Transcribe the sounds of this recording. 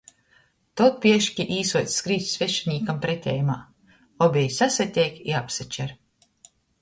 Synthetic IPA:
t̪ɔt̪̚pʲiɛʃkʲiʔiːsuɔjt̪sskɾiːt̪sveʃinʲiːkampɾɛt̪ʲɛ̰ːjumaː | ɔbʲɛjsasʲat̪ʲɛjkiapsat͡ʃɛɾ

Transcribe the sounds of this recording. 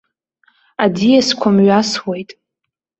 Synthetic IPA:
adijaskʷʰamɥaswe̞jtʼ

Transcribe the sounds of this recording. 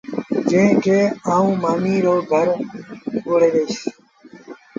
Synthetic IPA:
d͡ʒẽkʰeːaːũːmaːmiːɾoːɡʱəɾ | ɡoːɽeːʋeiʃ

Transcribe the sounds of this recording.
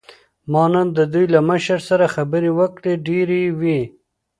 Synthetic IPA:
mɑnand̪əd̪ujlaməʃəɾsaɾaxabəɾewəkɽeɖeɾiwi

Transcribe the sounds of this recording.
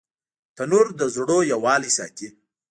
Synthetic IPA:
t̪anuɾd̪əzɽojawɑːlisɑ̰t̪i

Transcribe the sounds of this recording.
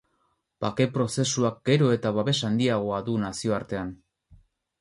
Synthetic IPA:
pake̞pɾo̞se̞suak̚ɡ̥e̞ɾo̞e̞t̪aβaβe̞sand̪iaɣ̞o̞aðunasio̞aɾt̪e̞an

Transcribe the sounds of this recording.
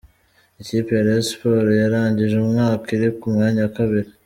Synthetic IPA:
iciːpejaɾespoːɾojaɾaːɲɟiʒeumŋaːkiɾikumŋaːɲawkaβiɾe

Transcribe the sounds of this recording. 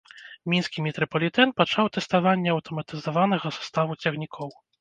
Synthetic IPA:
mʲinskʲimʲɛt̪ɾɔpɔlʲit̪ɛnpat͡ʂawt̪ɛst̪avanʲːɛɐwt̪ɔmɐt̪ɨzavanɐɣɐsu̥st̪avut͡sʲɛɣnʲikʰɔw

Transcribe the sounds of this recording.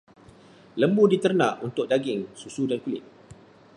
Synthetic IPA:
ləmbudit̪ərnaʔunt̪ʊk̚daɡɪŋsusudankulɪ̰t̪̚

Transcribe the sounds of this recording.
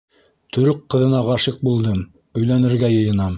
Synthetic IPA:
t̪ɵ̆ɾɵqqːɤ̆ðɤ̆nɑʁɑʃɤq̚bulˠd̪ɤm | ɵ̆jlænɘ̆ɾɡæjɤ̆jɤ̆nɑm

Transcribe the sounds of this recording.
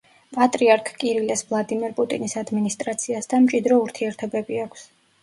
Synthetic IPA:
pʼat̪ʼɾiaɾkʰkʼiɾilɛsvlˠad̪imɛɾpʼut̪ʼinisad̪minist̪ʼɾat̪sʰiasd̪amt͡ʃʼid̪ɾɔuɾt̪ʰiɛɾt̪ʰɔbɛbiakʷʰs

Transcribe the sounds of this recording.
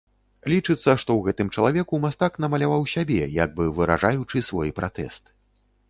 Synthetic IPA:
lʲit͡ʂɨt̪sːɐʂt̪ɔwɣɛt̪ɨmt͡ʂɐlˠavʲɛkumast̪akn̪ɐmɐlʲavawsʲabʲɛja̰ɡ̚bɨvɨɾa̰ʐajut͡ʂɨsvɔjpɾat̪ɛ̰st̪

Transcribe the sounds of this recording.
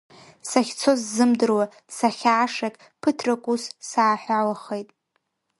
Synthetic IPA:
saχʲt͡sʰo̞zːɨmdɨrwa | saχʲaːʂakʲʼ | pʰɨtʰrakʷʼussaːħʷᶣawaχejtʼ

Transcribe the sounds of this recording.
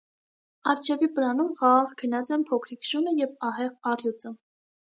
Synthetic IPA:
ɑɾt͡ʃʰɛvipəɾɑnumχɑʁɑʁkʰənɑt͡sɛmpʰɔkʰɾikʃunəjɛvɑɦɛʁɑrjut͡sə

